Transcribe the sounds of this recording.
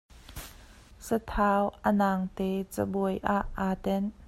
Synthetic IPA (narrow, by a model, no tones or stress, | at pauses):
sət̪ʰaːwʔənaːŋt̪ɛːt͡səbɔjʔaʔːaːt̪ɛn